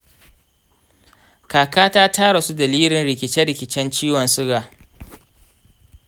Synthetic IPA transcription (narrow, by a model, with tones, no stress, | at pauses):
kaː˨kaː˦taː˦taː˦ɽa˨su˦dɐ˨liː˦lɪ˨nɾɪ˨k̬ʲɪ˨t͡ʃɛ˦ɽɪ˨kʲɪ˨t͡ʃɛ˦nt͡ʃiː˦wɔ˨nsʊ˦ɡaː˨